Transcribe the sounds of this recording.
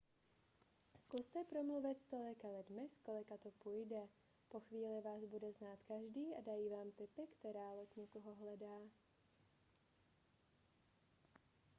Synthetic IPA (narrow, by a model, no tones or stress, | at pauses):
skust̪ɛpɾomluvɪt̪st̪o̞lɪkalɪdmɪsko̞lɪkat̪opujdɛ | po̞xviːlɪvaːzbudɛznaːt̪kaʒdiːʔadajiːvaːmt̪ɪpɪkt̪ɛɾaːloc̪ɲɛkoɦoɦlɛdaː